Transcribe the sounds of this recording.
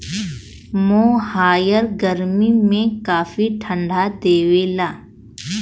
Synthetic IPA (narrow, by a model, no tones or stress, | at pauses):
moːhaːjəɾɡəɾmimẽkaːfiʈʰə̃ɳɖʱad̪eːʋelaː